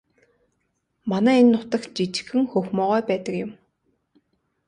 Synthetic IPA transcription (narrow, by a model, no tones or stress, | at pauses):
manæːenːʊt̪ə̆xt͡ɕit͡ɕɪ̥̆xɘ̆ŋxɵxmɔːʁœːpæːt̪ə̆kjʊ̆m